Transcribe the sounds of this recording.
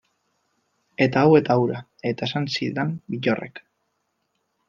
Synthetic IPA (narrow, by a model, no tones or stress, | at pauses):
e̞t̪aawe̞t̪awɾa | e̞t̪ae̞sansiðambiʎorḛk